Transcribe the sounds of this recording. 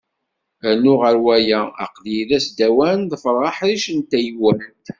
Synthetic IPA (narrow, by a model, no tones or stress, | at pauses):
ænːʊʁəɾwæjææ̰qðjiðæsd̪æwænðˤəfɾˤːɑħðiʃənt̪ːæjwænt̪